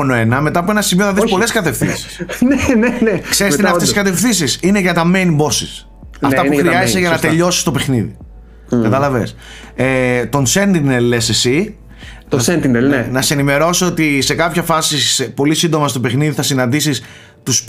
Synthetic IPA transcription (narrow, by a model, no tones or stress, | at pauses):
onoe̞nɐme̞t̪ɐpue̞nɐsimioθɐðispo̞le̞skɐt̪e̞fθḭnsi̥snenenekseɾist̪nɐft̪eskɐt̪̬e̞fθinsisineʝɐt̪ɐmejnbo̞sḭs | ɐft̪ɐpuxɾiiɐzeseʝɐnɐt̪e̞ʎo̞si̥st̪o̞pe̞xniðḭ | kɐt̪ɐlɐvḛs | et̪o̞nse̞nt̪inelːesesi | ɐsent̪inelenɐseenime̞ɾo̞sot̪ise̞kɐpçɐfɐsisepo̞lisind̪o̞mɐst̪o̞pe̞xniðiθɐsinɐnd̪isis | t̪us